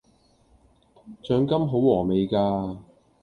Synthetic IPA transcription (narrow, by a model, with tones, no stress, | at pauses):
t͡ʃœː˨˧ŋkɐ˥mɦo˨˥wɔː˨˩me˨jkaː˧